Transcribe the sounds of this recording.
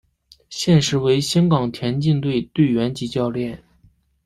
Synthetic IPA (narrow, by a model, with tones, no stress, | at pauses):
ɕjɛ˥˩nʂɻ̩˧˥we˧˥ɪɕjɑ˥ŋkɑ˨˩ŋt̪ʰjɛ˧˥nt͡ɕi˥˧ŋt̪we˥˧ɪt̪we˥˩ɪɥɛ˧˥nt͡ɕi˧˥t͡ɕjɑ˥˧ʊljɛ˥˩n